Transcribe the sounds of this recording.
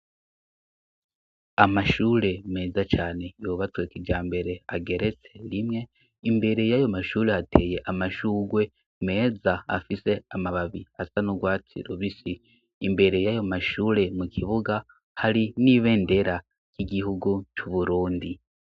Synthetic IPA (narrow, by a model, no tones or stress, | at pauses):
amaʃuːɾe̞me̞ːzat͡ʃaːne̞joːβatweːkid͡ʒaːmbe̞ɾe̞aɡe̞ɾe̞t͡se̞ɾimŋe̞ | imbe̞ɾe̞jajo̞maʃuːɾe̞hatʰe̞ːje̞ʔamaʃuːɡwe̞ | me̞ːzaa̰fise̞amaβaβiasanuɡwaːt͡sḭɾoβisiː | mbe̞ɾe̞jajo̞maʃuːɾe̞mukʰiβuɡa | haɾiniβe̞ːnde̞ɾa | kiɡihuɡut͡ʃuβuɾuːndi